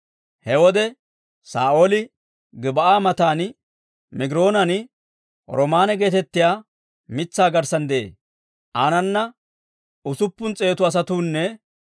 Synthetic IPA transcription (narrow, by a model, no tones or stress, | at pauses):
hɛwɔd̪ɛ | saːʔoːlɪ | ɡɪbɐʔaːmɐt̪aːnɪ | mɪɡɪɾo̞ːnɐnɪ | ɾɔmaːnɛɡe̞ːt̪ɛt̪ːɪjaː | mɪt͡sːaːɡɐɾsɐnd̪ɛʔḛː | ʔaːnɐnːɐ | ʊsʊpːʊnt͡sʼe̞ːt̪ʊɐs̬ɐt̪uːnːɛ